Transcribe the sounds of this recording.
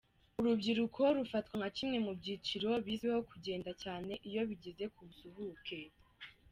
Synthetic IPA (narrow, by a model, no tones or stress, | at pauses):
uɾubɟiɾukʰo̞ɾufatkwaŋacimŋe̞mubɟiːt͡ʃiɾo̞βiːzweho̞kuɟe̞ːndacaːne̞ʔijo̞βiɟeze̞kʰuβusuhuːkʰe̞